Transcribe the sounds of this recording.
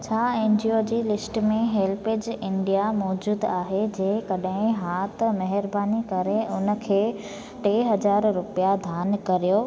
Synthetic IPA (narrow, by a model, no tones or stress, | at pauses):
t͡ɕʰaːẽːnd͡ʑioːd͡ʑiːlɪsʈmẽɦeːlpɪd͡ʑɪɳɖijamɔːd͡ʑuːd̪aːɦed͡ʑeːkɐɗɦɪ̃ɦaːt̪mɐɦɪɾbaːnikɐɾeʊnə̆kʰeː | ʈeːɦɐd͡ʑaːɾɾʊpijad̪ʱjaːnkɐɾijoː